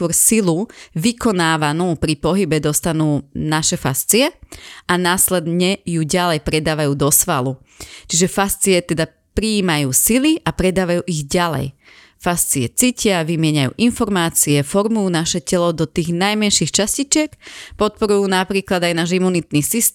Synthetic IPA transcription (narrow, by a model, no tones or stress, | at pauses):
ɔɾsiluʋikɔnaːʋanuːpɾipɔɦibɛd̪ɔst̪anuːnaʃɛfa̰st͡siɛanaːslɛd̪ɲɛjuɟalɛjpɾɛd̪aːʋajuːd̪ɔsʋalu | t͡ʃiʒɛfast͡siɛt̪ɛd̪a | pɾiːmajuːsiliʔapɾɛd̪aːʋajuːʔiɣɟalɛ̰j | fast͡siɛt͡siːcɪaʋimɪɛɲajṵːʔinfɔɾmaːt͡siɛfɔɾmujuːnaʃɛcɛlɔd̪ɔt̪iːɣnajmɛnʃixt͡ʃascit͡ʃɪɛkpɔt̪̚pɔɾujuːnapɾiːklad̪ajnaːʒimːunit̪niːsist̪